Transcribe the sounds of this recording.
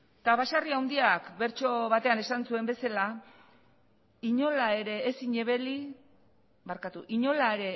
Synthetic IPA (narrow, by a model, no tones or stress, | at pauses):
t̪aβasariawnd̪iakbe̞ɾt͡ʃo̞βat̪e̞ane̞sansue̞mbe̞sala | iɲo̞lae̞ɾe̞ːsiɲe̞βe̞li | βaɾkat̪uʔiɲo̞laeɾe̞